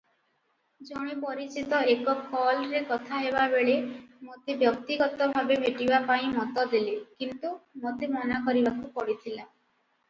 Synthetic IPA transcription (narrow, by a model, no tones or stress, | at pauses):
d͡ʒoɽ̃ipɔɾit͡ʃit̪ɔekɔkɔlɾekɔt̪ʰaɦebabeɭemot̪ebjɔk̚t̪iɡɔt̪ɔbʱabemeʈibapaĩmɔt̪ɔd̪ilekint̪umot̪emɔnakɔɾibakupɔɽit̪ʰila